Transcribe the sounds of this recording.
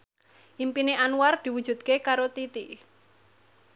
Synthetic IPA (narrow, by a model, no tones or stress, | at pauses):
ʔimpineʔanward̪̥i̤wu̥ʒ̥ṳd̪̥̚kekaɾot̪it̪i